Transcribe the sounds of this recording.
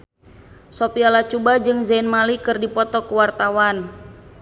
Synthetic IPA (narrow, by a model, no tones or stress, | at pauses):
sopialat͡ʃubad͡ʒɨŋzɛinmalikɨrdipɔt̪ɔkuwart̪awan